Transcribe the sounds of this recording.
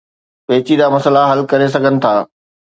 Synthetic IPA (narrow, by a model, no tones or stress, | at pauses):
pɐɦɪt͡ɕid̪aːmɐsəlaɦɐlkɐɾes̬ɐɡʱənɪ̆t̪ʰaː